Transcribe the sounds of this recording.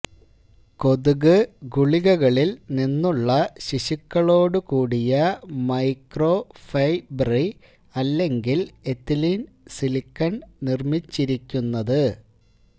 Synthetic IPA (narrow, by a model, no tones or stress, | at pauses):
ko̞ðuɣɨɡuɭiɣɐɣɐɭilninːuɭːɐɕiɕikːɐɭo̞ːɽukuːɽijɐmɐjkrofɐjbɐri | ɐlːe̞ŋɡilet̪ːilin | silikːɐɳnirmit͡ɕːiɾikʲːunːɐðɨ